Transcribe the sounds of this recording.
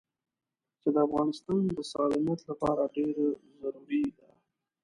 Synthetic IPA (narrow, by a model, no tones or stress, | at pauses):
t͡ʃed̪əafɣɑnɪst̪ɑnd̪əsɑlɪmɑt̪lapɑɾaɖeɾzaɾuɾid̪a